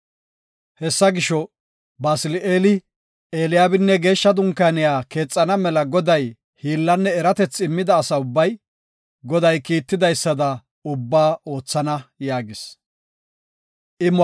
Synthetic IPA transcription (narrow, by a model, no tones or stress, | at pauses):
hɛsːɐɡɪʃɔ | baːsɪleːlɪ | eːlɪjaːbɪnːɛɡe̞ːʃːɐd̪ʊŋkaːnɪjaːke̞ːt͡sʼːɐnɐmɛlɐɡɔd̪ɐj | hiːlːɐnːɛːɾɐt̪ɛt͡sːɪmːɪd̪ɐːsɐʊbːɐj | ɡɔd̪ɐjkiːt̪ːɪd̪ɐjsːɐd̪ɐ | ʊbːaːʔo̞ːt͡sːɐnɐjaːɡɪs | ʔɪm